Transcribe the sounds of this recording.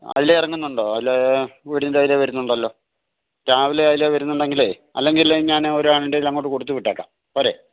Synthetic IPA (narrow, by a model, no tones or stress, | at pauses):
ɐ̰ðilːeirɐŋːunːuɳɖoːɐðlːeʋiɽinːilaːjileʋɐɾunːuɳɖɐlːo̞ː | kaːʋileaːjileʋɐɾunːuɳɖe̞ŋɡile | ɐ̰lːe̞ŋɡilɲaːnoɾuaːɳiɳɖeilɐŋːo̞ːʈːɨko̞ɽut̪ːuʋiʈːaːkːa̰ːm | poːɾe